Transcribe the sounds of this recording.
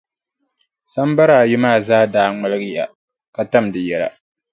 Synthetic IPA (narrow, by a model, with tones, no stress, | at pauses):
sa˦m˦ba˦ɾaː˨jɪ˦maː˦˨zaː˦daː˦ŋ͡ma˦lɨ˦ɡɨ˦ja̰˨ | ka˨ta˦mdɨ˨jɛ˨la̰˨